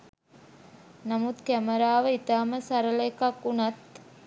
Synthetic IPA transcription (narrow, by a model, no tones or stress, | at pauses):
nɐmut̪kæməɾaːʋəit̪aːməsɐɾəlekɐkːunɐt̪